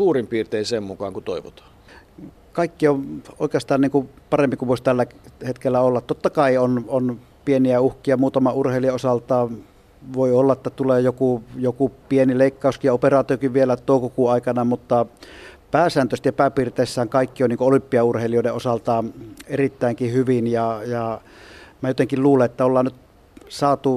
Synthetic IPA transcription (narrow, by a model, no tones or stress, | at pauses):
suːrimpiːrt̪eˑinsemmukɑ̰ːŋkut̪o̰iʋo̰t̪ɑ̥ː | kɑˑikːioo̰ˑikeɑst̪ɑːnniːŋkupɑrempikuʋʋoˑisʲt̪ælːæhet̪kelːæolːɑt̪t̪ot̪ːɑkɑˑionon | pieniæuhkˑiɑmuːt̪ɑmɑurheˑiliɑosɑlt̪ɑː | ʋoˑiolːɑʔʔet̪ːæt̪uleːjokujokupienileˑikːɑˑuskijɑoperɑːt̪iokiʋʋielæt̪oˑukukuɑˑikɑnɑmut̪ːɑpæːsæːnt̪øset̪jɑpæːpirt̪eˑisːæːŋkɑˑikːioniŋkoolympːˑiɑurheˑilioˑdeʔʔosɑlt̪ɑːnerit̪ːæˑiŋkihyʋinjɑjɑ | mæjot̪eŋkilluːleʔʔet̪ːæolːɑːnnyt̪ | sɑːt̪u